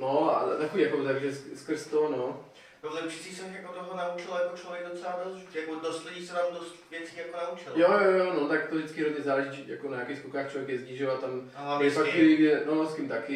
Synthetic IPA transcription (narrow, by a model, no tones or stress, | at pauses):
noa̰t̪akoviːjakot̪aɡʒɛsskr̩st̪ono | nɛbot̪ɛfʃɪt͡sisɛxjakot̪oɦonaut͡ʃɪljakot͡ʃlovjɛɡ̚dot͡sɛladosʒjakodoslɛdisɛvaːmdost̪vjɛt͡siːjakonaut͡ʃɪljojojonot̪akt̪ovʒdɪt͡skɪɾozɲɛzaːlɛʒɪt̪t͡ʃija̰konaɲakexskukaːxt͡ʃlvjɛkjɛzɲiʒɛwat̪amɦlavɛfakiiɡɛnoskimt̪akɪ